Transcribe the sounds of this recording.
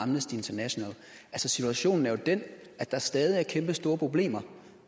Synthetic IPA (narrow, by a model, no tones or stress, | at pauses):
ɑ̈mnəsd̥ie̝nt͡sʰɐnæɕo̝nɛ̰ːl | ælsəsit͡sʰuæɕo̝̰ːn̩æɐjo̝d̥en | æd̥ɑ̈æɐsd̥ɛːð̞ˠiæɐkʰemb̥əsd̥o̝ːɐpʰo̝b̥le̝̰ːmɐ